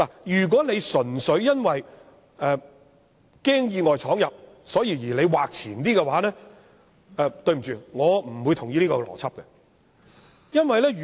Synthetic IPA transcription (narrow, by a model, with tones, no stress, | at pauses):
laː˨˩jyː˨˩k̬ʷɔː˨˥ne˨˧jsɵ˨˩nsɵ˨˥ɥjɐ˥nwɐ˨j | ɛ˨ | kɛː˥ŋjiː˧ŋɔː˨jt͡sʰɔː˨˥ŋjɐ˨p̚ | sɔː˨˥jiː˧jiː˨˩le˨˧jwaː˨k̚t͡sʰiː˨˩nt̪iː˥kɛ˧waː˨˥nɛː˥ | ɛː˧t̪ɵ˧ɥm̩˨˩t͡ʃyː˨ŋɔː˨˧m̩˨˩wu˨˧jt̪ʰʊ˨˩ŋjiː˨˥liː˥kɔː˧lɔ̰ː˨˩t͡sʰɐ˥p̚kɛ˧ | jɐ˥nwɐ˨jlɛː˥˨